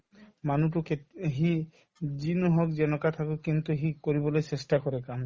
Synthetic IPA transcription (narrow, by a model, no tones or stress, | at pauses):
manutukeɦi | d͡ʒinuɦɔkd͡ʒɛnɔkat̪ʰakukint̪uɦikɔɾibɔlojsestakɔɾekam